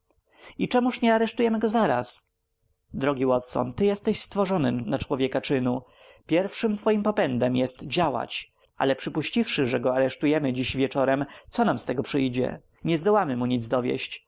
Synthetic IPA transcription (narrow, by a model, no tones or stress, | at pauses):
it͡ʂɛmuʂɲɛaɾɛʂt̪ujɛmɘɡɔzaɾa̰s | d̪ɾɔɡʲiwɔt̪sɔ̰nt̪ɘjɛst̪ɛɕst̪fɔʐɔnɘmnat͡ʂwɔvʲjɛkat͡ʂɘnu | pʲjɛɾfʂɘmt̪fɔjimpɔpɛnd̪ɛmjɛst̪d͡ʑawa̰t͡ɕ | a̰lɛpʂɘpuɕt͡ɕifʂɘʐɛɡɔaɾɛʂt̪ujɛmɘd͡ʑiɕvʲjɛt͡ʂɔɾɛmt̪sɔnamst̪ɛɡɔpʂɘjd͡ʑɛ̰ | ɲɛzd̪ɔwamɘmuɲid̪zd̪ɔvʲjɛ̰ɕt͡ɕ